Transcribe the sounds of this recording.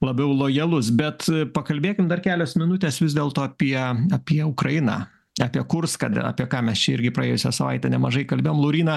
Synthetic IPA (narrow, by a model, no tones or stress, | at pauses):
lˠɐbʲɛʊlˠoːjɛlˠʊsbʲɛt̪pɐkɐlʲbʲeːkʲɪmd̪ɐrkʲæːlʲoːsmʲɪnʊt̪ʲeːsʋʲɪzʲd̪ʲeːlˠt̪oːɐpʲiɛɐpʲiɛʊkɾɐjɪnɑ̰ː | ɑːpʲiɛkʊrskɐ̰ɐ̰ːpʲiɛkɑːmʲɛst͡ʃʲɛɪɾʲɡʲɪpɾɐeːjʊsʲɛsɐʋɐ̰ɪt̪ʲɛnʲɛmɐʒɐɪkɐlʲbʲeːjoɔmlˠɐʊɾʲiːnɑ